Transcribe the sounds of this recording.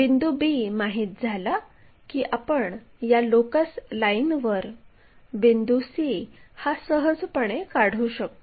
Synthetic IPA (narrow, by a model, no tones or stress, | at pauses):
ʋind̪ubimaɦiːt̪̚d͡zʱala | kiːʔapəɳ | jalokəslainʋəɾ | bind̪usihasəɦəd͡zpəɳ̃ekaɽ̤uɕək̚t̪